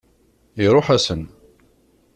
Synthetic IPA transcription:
iɾˤoħæsən

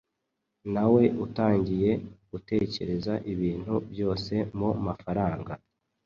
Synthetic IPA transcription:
nawe̞ʔutaːɲɟije̞ɡ̥ute̞ːce̞ɾe̞zaʔiβiːn̥hubjo̞ːse̞momafaɾaːŋɡa

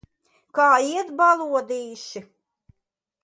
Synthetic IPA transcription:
kaːiɛt̪balˠuɔd̪iːʃi

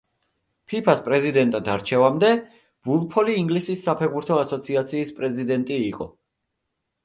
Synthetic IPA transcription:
pʰipʰaspʼɾɛzid̪ɛnt̪ʼad̪aɾt͡ʃʰɛvamd̪ɛ | vulˠpʰɔliːŋɡlisisːapʰɛʁbuɾt̪ʰɔasɔt̪sʰiat̪sʰiːspʼɾɛzid̪ɛnt̪ʼiːqʼɔ̰

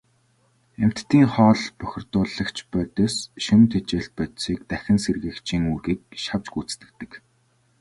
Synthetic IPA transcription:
em̥t̪ːiːŋχɔːɮpœxʲɪ̆rt̪ʊːɮə̆kt͡ɕʰpœːt̪œːsʃɵnt̪ʰet͡ɕeːɬt̪̚pœt̪siːk̚t̪æxʲɪ̆nserɣɘ̆kt͡ɕiːŋuːɣiːk̚ʃaw̥t͡ɕɡuːt͡st̪ɘ̆k̚t̪ɘ̆k

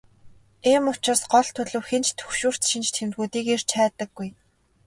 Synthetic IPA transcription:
eːmʊ̥t͡ɕɪ̆rsɢɔɮt̪ʰɵɮɘ̆wxent͡ɕt̪ʰɵ̥xʃuːr̥t̪ʃint͡ɕt̪ʰemt̪̚ɡuːt̪iːker̥t͡ɕʰæːt̪ə̆ɡːuj

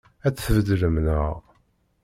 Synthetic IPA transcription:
æt͡sːθəvd̪ləmnəʁ

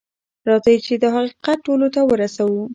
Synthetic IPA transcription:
ɾɑzajit͡ʃed̪əɦaqiqat̪̚ʈolot̪awəɾasawu

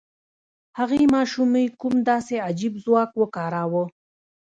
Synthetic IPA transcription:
haɣimɑʃuməjkumd̪ɑsead͡ʒibzwɑkwəkɑɾɑwə

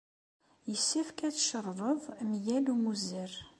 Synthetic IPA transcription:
jəsːæfkæt͡sʃəɾˤvˤəðˤmjælumuzəɾ

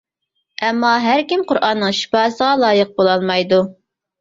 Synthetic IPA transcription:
ɛmːɑɦæɾkʲimqʰʊɾʔɑnːɨŋʃi̥pɑːsəʁɑlˠɑːjəq̚bolˠɑlˠmɑjd̪u

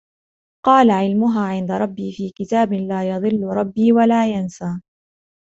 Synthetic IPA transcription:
qɑːlaʕɪlmʊɦaːʕɪnd̪aɾˤɑbːiːfiːkɪt̪aːbɪlaːjɑðˤɨlːʊɾˤɑbːiːwalaːjansaː

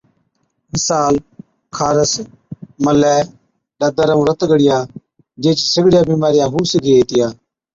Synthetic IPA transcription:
mɪsaːl | kʰaːɾəs | məlɛː | ɖəd̪əɾəũːɾət̪ɡəɽɪjaː | d͡ʒeːt͡ʃsəɡɽɪjaːbiːmaːɾɪjaːɦuːsɡeːt̪ɪjaː

